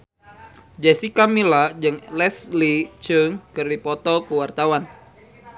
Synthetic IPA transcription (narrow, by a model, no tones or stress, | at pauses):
d͡ʒɛsikamilad͡ʒɨŋlɛslit͡ʃəŋkɨrdipɔt̪ɔkəwart̪awan